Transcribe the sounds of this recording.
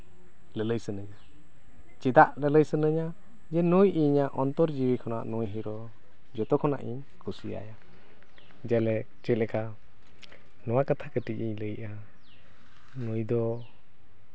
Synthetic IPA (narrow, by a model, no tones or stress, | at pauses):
lələjsənəɲa | t͡ʃɛd̪aʔlələjsənəɲa | d͡ʒɛnujʔiɲaʔɔnt̪ɔɾd͡ʒiwikʰɔna̰ʔnɔjɦiɾɔ | d͡ʒɔt̪ɔkʰɔna̰ʔiɲ | kʰusia̰ja | d͡ʒɛlɛ | t͡ʃɛlɛka | nɔwakat̪ʰakəʈiciɲləjʔa | nujd̪ɔ